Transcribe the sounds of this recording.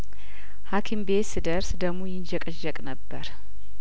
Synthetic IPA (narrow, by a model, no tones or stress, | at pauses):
hakʰimbesɨd̪əɾsd̪əmojɪnd͡ʒəkʼɨʒːɛkʼnəbːəɾ